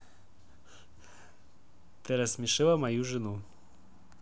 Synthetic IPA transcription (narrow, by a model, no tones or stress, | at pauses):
t̪ɨɾɐsmʲɪʂɨlˠɐmɐjuʐɨnu